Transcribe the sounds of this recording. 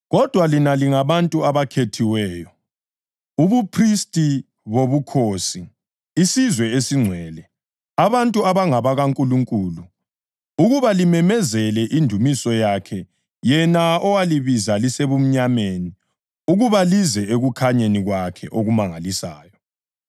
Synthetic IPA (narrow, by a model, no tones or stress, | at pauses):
ɣɔd̥ʱwalinaliŋaβantʼuaβakʰetʰiwɛːjɔ | uβupʰristʼi | βoβukʰoːsiː | sizwɛesiŋ͡ǀʱwɛːlɛ | aβantʼuaβaŋaβaɣaŋkʼuluŋkʼuːlu | uɣuβalimɛmɛzɛlɛʔindʱumisɔjakʰɛ | jɛnaɔwaliβizaliseβum̩ɲameni | uɣuβalizɛeɣukʰaɲeniɣwakʰɛ̰ʔoɣumaŋalisa̰ːjɔ